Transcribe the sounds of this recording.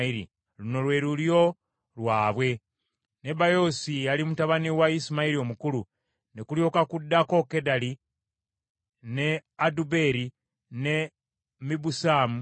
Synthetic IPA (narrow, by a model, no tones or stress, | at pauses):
iɾḭ | ɾuno̞lwe̞ɾuljo̞ | ɾwaːβwe̞ | ne̞bajo̞sialimutaβaniwaisimaiɾio̞mukulu | nekuljo̞kakudːako̞kedali | neadube̞ɾi | ne̞ | mibusaːmu